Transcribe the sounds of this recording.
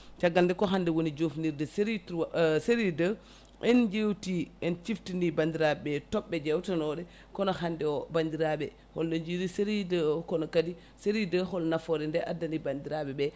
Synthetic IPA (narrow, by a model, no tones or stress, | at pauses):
t͡ʃaɡːaldɛkɔɦandɛwonid͡ʒofniɾdɛsɾitseɾidə | ʔɛnd͡ʒewtiɛnt͡ʃiftinibandiɾabɛbɛtɔɓːɛd͡ʒɛwtanɔɗɛ | kɔnɔhandɛɔbandiɾaɓɛ | hɔlːoɲd͡ʒidiseɾidəkɔnɔkadi | seɾidəɦɔlnafɔɾɛndɛʔadːanibandiɾaɓɛbɛ